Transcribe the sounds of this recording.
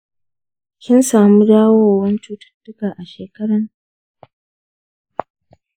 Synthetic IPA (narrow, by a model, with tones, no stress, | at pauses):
kʲɪ˦nsaː˨mu˦daː˦woː˦˨wɐ˦nt͡ʃuː˦tɐ̥˦rdʊ˦kaː˨ʔa˨ʃeː˨kɐ˦ɽɐ˦ŋ